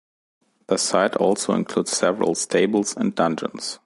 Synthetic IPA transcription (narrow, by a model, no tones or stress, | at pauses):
ðəsaɪtʰɔ̰lˠsoʊɪ̰̃nkʰl̥uːdz̥sɛvəɹə̰lˠstʰeɪbl̩ˠzə̃ndʌ̃nd͡ʒə̰̃ns